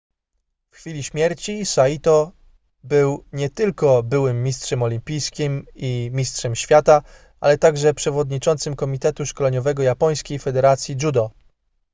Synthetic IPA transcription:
fxfʲilʲiɕmʲjɛɾt͡ɕisait̪ɔ | bɘwɲɛt̪ɘlkɔbɘwɘmːʲistʂɛmɔlʲimpʲijskʲimimʲistʂɛmɕfʲjat̪a | ʔa̰lɛt̪aɡʐɛpʂɛvɔd̪ɲit͡ʂɔnt̪sɘmkɔmʲit̪ɛt̪uʂkɔlɛɲɔvɛɡɔjapɔj̃skʲejfɛd̪ɛɾat̪sʲjid͡ʐud̪ɔ

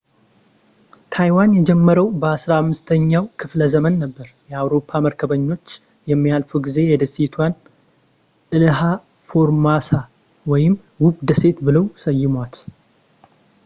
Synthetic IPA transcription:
t̪ʰajwanjɛd͡ʒɛmːəɾəwbəasɾaamːɨst̪ʰəɲːawkʰɨfləzəmənːəbːəɾjɛawɾo̞pʰːaməɾkʰəβəɲːo̞t͡ʃː | jɛmːijalfuɡize̞jɛd̪əsit̪ʰwan | ʔɨlɨɦa | fo̞ɾmasa | wɔjɪm | wʊɡd̪əse̞t̪bɨləwsəjːɪmwat̪

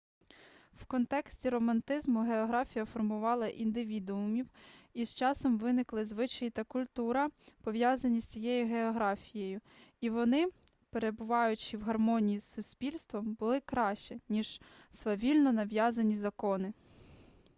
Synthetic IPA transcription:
wkɔnt̪ɛksʲtʲiɾɔmɐnt̪ɪzmʊɦeɔɦɾɑfʲijɐfɔrmʊʋɑlˠɐʔind̪ɪʋʲid̪ʊʊmʲiwizt͡ʃɑsɔmʋɪnɪklˠɪzʋɪt͡ʃɐjit̪ɐkʊlʲt̪uɾɐpɔʋʲjazɐnʲisʲt͡sʲijɛjiɦeɔɦɾɑfʲijejʊ | iʋɔnɪ | peɾe̞bʊʋɑjʊt͡ʃiwɦɐrmɔnʲijisːʊsʲpʲilʲst̪ʋɔmbʊlˠɪkɾɑʃt͡ʃɛnʲiʒ̥sʋɐʋʲilʲnɔnɐʋjɑzɐnʲizɐkɔnɪ

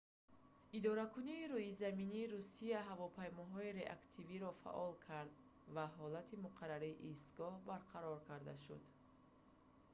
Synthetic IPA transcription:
id̪ɔɾakʰuniːɾuizaminiːɾusiaɦavɔpʰajmɔɦɔiɾe̞ʔakt̪ʰiviɾɔfa̰ʔɔlkʰaɾd̪̚ | vaɦɔlat̪ʰimuqʰaɾaɾiːʔist̪ɡɔhbaɾqʰaɾɔɾkʰaɾd̪aʃṵd̪

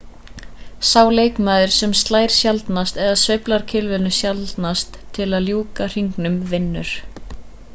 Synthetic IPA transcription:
saːwleːjkmaːðɪɾ̥sɛmst̪laːjɾ̥sjalt̪nast̪ɛðaðsœɥplaɾ̥cʰɪlvɪnʏsjalt̪nast̪ʰːɪlaðljuːkar̥iŋknʏmvɪnːʏɾ̥

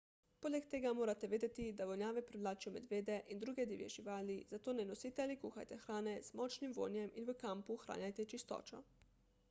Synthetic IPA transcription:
poːlɛkt̪eːɡamoːɾat̪ɛʋeːd̪ɛt̪id̪aʋɔnjaːʋɛpɾiʋlaːt͡ʃijɔmɛd̪ʋeːd̪ɛʔind̪ɾuːɡɛd̪iːʋjɛ̰ʒiʋaːlizat̪oːnɛnosiːt̪ɛalikuːxa̰jt̪ɛxɾaːnɛz̥mɔt͡ʃnimʋo̰njɛminʋəkampuxɾa̰ːnjajt̪ɛt͡ʃist̪ɔ̰ːt͡ʃɔ̰

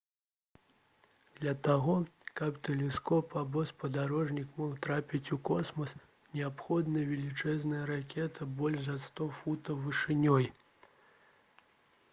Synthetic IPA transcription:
d̪̥lʲɐt̪aɣɔkɐpt̪ɛlʲɛskɔpabɔspɐd̪aɾɔʐnʲikmɔxt̪ɾapʲit͡sʲukɔsmɐs | nʲɛapxɔd̪nɐjvʲɛlʲit͡ʂɛznɐjɐɾakʲɛt̪ʰɐbɔlʲʐzɐst̪ɔfut̪ɐvɨʂɨnʲɔj

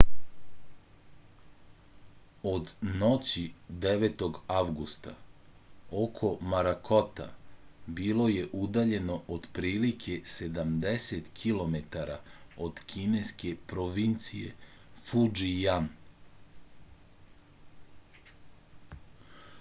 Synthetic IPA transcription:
o̞d̪no̞t͡ɕid̪eʋet̪o̞ɡaʋɡust̪a̰ | okʰo̞maɾakʰo̞t̪a̰bilˠo̞je̞ʔud̪aʎe̞no̞ʔod̪pɾiːlikʰe̞se̞d̪amd̪eset̪kʰilˠo̞me̞t̪aɾao̞d̪̥kʰine̞ske̞pɾoʋint̪sije̞̰fud͡ʒijan

